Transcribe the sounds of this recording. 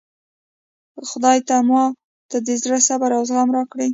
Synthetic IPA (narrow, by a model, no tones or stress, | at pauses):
xʊd̪ɑjt̪amɑ | t̪ad̪ezɾasabaɾɑwzɣamɾɑkɽi